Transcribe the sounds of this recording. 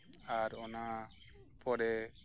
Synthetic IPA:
aɾɔna | pʰɔɽɛ

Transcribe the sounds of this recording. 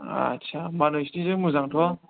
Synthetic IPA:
a̰t͡ʃʰamanojsinizɯmuzaŋtʰɔ

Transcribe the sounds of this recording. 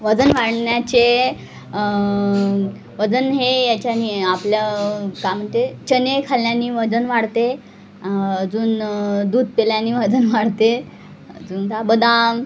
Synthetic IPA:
ʋəd͡zənʋaɽɳjat͡ɕe | ʋəd͡zənɦejat͡ɕaniapljakam̤əɳt̪et͡ɕənekʰaljãnːiːʋəd͡zənʋaɽt̪e | d͡zuːnd̪uːd̪̚peljãnːiːʋəd͡zənʋaɽt̪e | d͡zuːnt̪abəd̪ãm

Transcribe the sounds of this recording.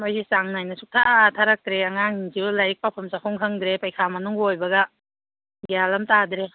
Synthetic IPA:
mojisaŋnajnɐsuk̚tʰaʔtʰaɾak̚tɾeaŋaŋinzilajik̚papʰamsakʰɔŋkʰaŋd̪ɾepajkʰamɐnuŋojbɐɡɐ | ɡijalamtadɾe

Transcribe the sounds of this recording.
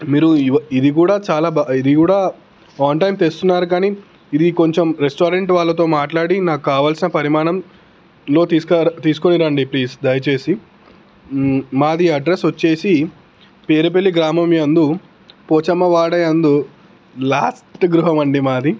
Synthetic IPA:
miːɾuid̪ikuːɽaːt͡ʃaːlaːbaid̪ikuːɽaː | aːnʈɐjmt̪est̪unːaːɾuk̬aːni | id̪iko̞ɲt͡ʃemɾesʈoːɾeɳʈʋaːɭːɐt̪o̞ːmaːʈlaːɽinaːkukaːʋaːlsinɐpɐɾimaːɳɐm | lo̞ːt̪iːskɐt̪iːsu̥ko̞niɾɐɳɖipliːsd̪ɐjɐt͡ʃe̞ːsi | maːd̪iɐɖɾesʋot͡ʃːe̞ːsi | peːɾup̬elːiɡɾaːmɐmiɐnd̪u | poːt͡ʃɐmɐʋaːɽɐjɐnd̪u | laːsʈʈɡɾuɦɐmɐɳɖimaːd̪i

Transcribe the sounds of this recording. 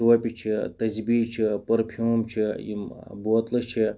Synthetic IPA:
ʋɐpʲit͡ʃʰit̪ɐzbit͡ʃʰipɐɾpʰʲumt͡ʃʰijḭmbot̪lɐt͡ʃʰi

